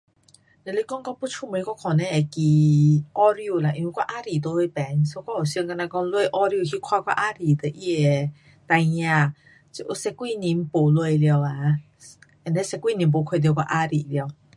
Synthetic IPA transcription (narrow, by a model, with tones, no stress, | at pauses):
ne˧˨le˧˦kɔ˦ŋkɔ˦ŋpu˦t͡ʃʰu˧˨mə˨i˦ka˦˥kʰɔ˨˩nɛ̃˧e˨˩ki˨ʔɔ˦ɾi˧u˧la˨ʔĩ˧wkʷwa˦ʔa˦ɾi˨t̪o˧˦we˧˦pɛ˨˦nso˦kʷwa˦o˨sŋka˧na˧kɔ˦ŋlwe˧˨ʔɔ˦ɾi˧o˧˩hi˧kʰwa˧kwa̰˦ʔa˦ɾi˨t̪ə˨ʔi˧˩e˨ | t̪a˧ã˧˨ | t͡ɕi˧˨ʔu˧˦sɛ˧kːwi˥˧˨nĩ˧˦m˦po˨lwe˧˨˧ljo˧wa˨˦ | ɛ˧˨˩nle˦sɛ˧kːwi˧˨nĩ˨˧˦mp̬o˧˨kʰe˧˨d̪jkwa̰˧˦ʔa˧ɾi˨lj